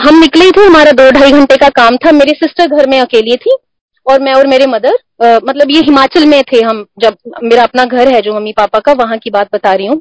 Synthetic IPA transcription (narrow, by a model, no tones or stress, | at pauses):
ɦɐmnɪkleit̪ʰeɦɐmaːɾad̪oːɖʱaːiɡʱɐ̃ɳʈekakaːmt̪ʰameːɾesɪsʈəɾɡʱɐɾmẽɐkeːliẽt̪ʰĩ | ɔːɾmɛ̃ɔːɾmeːɾemɐd̪əɾ | mɐt̪ləbjeɦɪmaːt͡ʃəlmẽt̪ʰeɦɐmd͡ʒɐb̚meːɾaɐpnaɡʱɐɾɦɛd͡ʒoːmɐmːipaːpakaʋɐɦãkibaːt̪̚bɐt̪aːɾɐiɦũː